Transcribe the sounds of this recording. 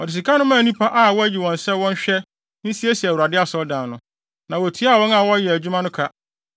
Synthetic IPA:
ɔ˨dɪ˨s̬i˨kʰa˦nʊ̃˦mãː˦˨nĩ˦pʰa˦ʔa˦˨wɔ˦æ˦d͡ʑi˨wɔ̃˨nsɛ˦wɔ̃˦n˦ɕᶣɛ˦ | nĩ˦si˦e˦si˨æ˨wa˨dɪ˦a˨sɔ˦ldãː˨nʊ̃˨ | nã˨wɔ˨tʰi˨˦a˦˨wɔ̃˦na˨wɔ˦jɛ˨æ˨d͡ʑᶣu˦mã˦nʊ̃˦kʰa˦

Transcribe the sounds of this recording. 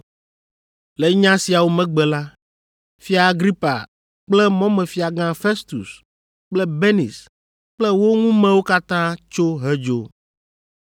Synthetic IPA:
lɛ˨˦ɲã˦si˨a˨wo˦mɛ̃˦ɡ͡bɛ˨la˦ | fi˦aː˨ɡɾi˦pa̰˨ | k͡plɛ˦mɔ̃˦mɛ̃˨fi˨a˨ɡã˦fe˦st̪ṵ˨s | k͡plɛ˦be˦nḭ˨s | k͡plɛ˦wo˦ŋũ˦mɛ̃˨wo˦ka˦t̪ã˦t͡ʃo˦ɦɛ˦d͡ʒo˦

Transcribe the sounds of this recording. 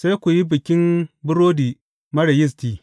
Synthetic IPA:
sa˦jkʷu˨ji˦bɪ˨kʲɪ˦mbʊ˦ɾoː˦diː˨ | mɐ˦ɽɐ˨jɪ˦s̬tiː˨

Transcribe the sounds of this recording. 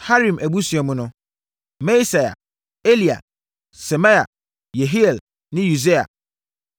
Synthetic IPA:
ha˦ɾĩ˨mʔæ˨bu˦si˨ɛ˨mʊ̃˦nʊ̃˦ | mɛ̃˦sa˨ja̰˨ | e˦li˨a̰˨ | sɛ˨mã˦ja̰˨ | je˨ɦi˦ɛ˨l | nɪ̃˦ju˨de˦a̰˨

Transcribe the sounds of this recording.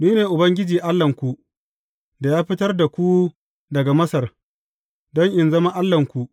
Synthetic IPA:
niː˦neː˨ʔʊ˨bɐ˦ŋɡʲɪ˦d͡ʒiː˨ʔa˦lːɐ˨ŋkʷu˨ | da˨jaː˦ɸɪ˦tɐ˦rda˨kʷu˦ | dɐ˨ɡa˨mɐ˦sɐ˨r | dɔ˦ŋʔɪ˨nzɐ˦ma˦ʔa˦lːɐ˨ŋkʷu˨ʔ

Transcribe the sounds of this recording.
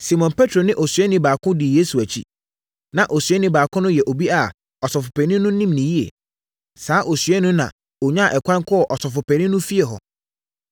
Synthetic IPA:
si˨mɔ̃˨npʰɛ˦tʰɾo˨nɪ̃˦ʔɔ˨sɥɛ˦nɪ̃˦baː˨kʰʊ̃˦di˨je˦su˨æ˨t͡ɕʰḭ˦ | nã˨ʔo˨sɥɛ˦nɪ̃˦baː˨kʰʊ̃˦nʊ̃˦jɛ˨ʔo˨bi˦a˨ | ɔ˨sɔ˨fʊ˨pʰɛ˨nɪ̃˦nʊ̃˦nĩ˦mnĩ˨ji˦ḛ˨ | saː˨˦ʔo˨sɥɛ˦nʊ̃˦nã̰˨ | o˨ɲã˦˨ʔɛ˨kʷʰã˦ŋ˦kʰɔ˦ɔ˨ʔɔ˨sɔ˨fʊ˨pʰɛ˨nɪ̃˦nʊ̃˦fi˦e˨ɦɔ̰˨

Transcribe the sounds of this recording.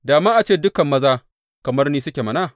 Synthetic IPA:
daː˨maː˦ʔa˨t͡ʃeː˦˨dʊ˦kɐ˨mːɐ˦zaː˦ | kɐ˨mɐ˦rniː˦sʊ˦kʲe˨mɐ˦˨naː˦˨

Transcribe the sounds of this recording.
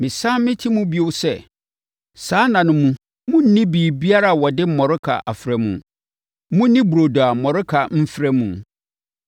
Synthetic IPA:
mɪ̃˨sã˦mɪ̃˦tʰi˦mũ˦bi˦o˦sɛ˦˨ | saː˨˦nã˨nʊ̃˨mũ˦ | mʊ̃˦n̩˦nĩ˦biː˨bi˦a˦ɾa˨wɔ˨dɪ˦m̩˨mɔ˨ɾʊ˦kʰa̰˨ʔa˨fɾɛ˨mṵ̃˨ | mũ˦nĩ˦bu˨ɾo˨do˨a˨mɔ̃˨ɾɪ˦kʰa˨m̩˦fɾɛ˦mũ˨

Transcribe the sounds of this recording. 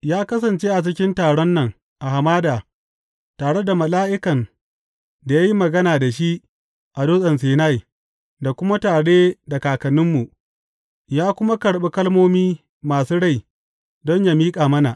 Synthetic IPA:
jaː˦kɐ˦s̬ɐ˨nt͡ʃeː˦ʔa˨t͡ʃɪ˦kʲɪ˦ntaː˨ɽɔ˦nːɐ˨ŋ | ʔa˨ha˨maː˦daː˨ | taː˨ɽe˦da˨mɐ˨laː˦ʔɪ˦kɐ˨n | da˨ja˦ji˦mɐ˨ɡɐ˦naː˨da˨ʃi˦ʔ | ʔa˨do˦sʼɐ˨ns̬eː˨na˦˨j | da˨kʷʊ˦ma˦taː˨ɽe˦da˨kaː˨kɐ˨nɪ˦mːu˨ʔ | jaː˦kʷʊ˦ma˦kɐ˨ɽɓe˦kɐ˦lmoː˦miː˦ | maː˨suː˦ɽa˦˨j | dɔ˦ɲja˦miː˦kʼaː˨mɐ˦na˨ʔ

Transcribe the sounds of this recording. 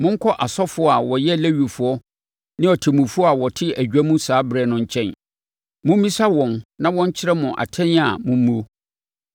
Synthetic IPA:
mʊ̃˦ŋ̩˦kʰɔ˦ʔa˨sɔ˦fʊ˨˦ɔ˦a˨wɔ˨jɛ˦˨læ˦ɥu˨fʊ˨ɔ˦ | nɪ̃˦ɔ˨tʰɪ˨mũ˨fʊ˦ɔ˦a˨wɔ˨tʰɪ˦æ˨d͡ʑᶣæ˦mũ˦saː˨˦bɾɛ˨nʊ̃˦ɲ̩˦t͡ɕʰɛ̃˦n | mʊ̃˦m˦ĩ˦sa˦wɔ̃˨nnã˦wɔ̃˦ɲ˦t͡ɕʰɪ˦ɾɛ˦mʊ̃˨ʔa̰˨tʰɛ̃˦n˦a˨mʊ̃˨m˦mũ˦o˦

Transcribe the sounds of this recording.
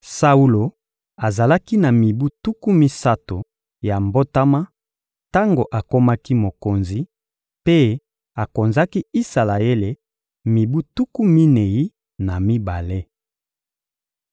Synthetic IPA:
sa˦u˦lo˨ | a˨za˨la˦ki˦na˨mi˨bu˦tu˦ku˦mi˦sa˦to˨ | ja˨mbo˦ta˦ma˦ | ta˦ŋɡo˨ʔa˨ko˦ma˦ki˦mo˨ko˨nzi˨ | pe˦ | a˨ko˨nza˦ki˦i˦sa˨la˨e˦le˨ | mi˨bu˦tu˦ku˦mi˦ne˨ji˦ | na˨mi˦ba˨le˦

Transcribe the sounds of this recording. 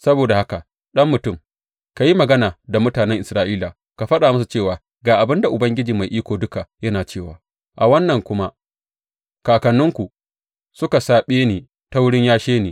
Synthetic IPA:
sɐ˦boː˨da˨ha˦ka˨ | ɗɐ˦mːʊ˨tʊ˦˨m | ka˨ji˦mɐ˨ɡɐ˦naː˨da˨mʊ˦taː˨nɛ˦ŋʔɪ˨sɾaː˦ʔiː˦la˨ | ka˨ɸɐ˦ɗaː˨mʊ˦s̬u˨t͡ʃeː˦˨waː˨ | ɡaː˨ʔa˨bɪ˦nda˨ʔʊ˨bɐ˦ŋɡʲɪ˦d͡ʒiː˨ma˨jʔiː˦kʷoː˨dʊ˦ka˨jɐ˦naː˨t͡ʃeː˦˨waː˨ | ʔa˨wɐ˦nːɐ˨ŋkʷʊ˦ma˦ʔ | kaː˨kɐ˨nːʊ˦ŋkʷu˨ | sʊ˦ka˨saː˨ɓeː˦neː˨ | ta˦wʊ˦ɽɪ˦ɲjaː˦ʃeː˦neː˨

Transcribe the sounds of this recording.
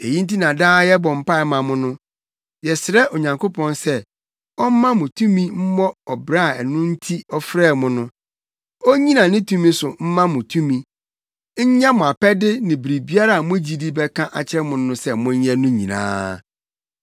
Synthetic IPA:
e˨ji˦n̩˦t̬i˦nã˨daː˦jɛ˦bɔ̃˨m̩˦˨pa˦ɛ˨mã˨mʊ̃˦nʊ̃˦ | jɛ˨sɪ˨ɾɛ˦ʔo˨ɲã˨ŋkʰo˦pʰɔ̃˦nsɛ˦ | ɔ˦m̩˦mã˦mʊ̃˨tʰũ˦mĩ˦m̩˦mɔ˦ɔ˨bɾa˦˨ɛ˨nʊ̃˦n̩˦tʰi˦ɔ˦fɾɛː˦˨mʊ̃˦nʊ̃˦ | ɔ˦ɲĩ˦nã˨nɪ̃˦tʰũ˦mĩ˦sʊ˨m̩˦mã˦mʊ̃˨tʰũ˦mĩ˨ | ɲ̩˦ɲã˦mʊ̃˨a˨pɛ˦dɪ˦nɪ̃˨bɾi˨bi˦a˦ɾa˨mʊ̃˦d͡ʑi˦di˦bɛ˦kʰã˦ʔa˨t͡ɕʰɪ˦ɛ˦mʊ̃˨n˦nʊ̃˦sɛ˦mʊ̃˦ɲ˦jɛ˦nʊ̃˦ɲḭ̃˨nã̰ː˦

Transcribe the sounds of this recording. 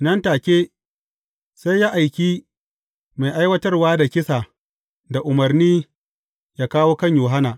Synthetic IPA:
nɐ˦ntaː˨kʲeː˦ | sa˦jːaː˦ʔa˨jkʲiː˦ | ma˨jʔa˦jwɐ˦tɐ˦rwaː˦da˨kʲɪ˦sa˨ | da˨ʔʊ˨mɐ˨rniː˦ | jaː˦kaː˦woː˦kɐ˦ɲjuː˨ɦa˦naː˨

